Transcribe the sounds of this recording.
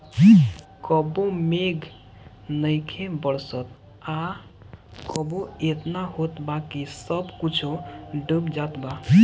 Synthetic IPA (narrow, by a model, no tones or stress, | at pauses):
kəbõmeɡ | nəjkʰebəɽsət̪ | a | kəboet̪naɦot̪bakisəbkut͡ʃʰoɖəbd͡ʒat̪ba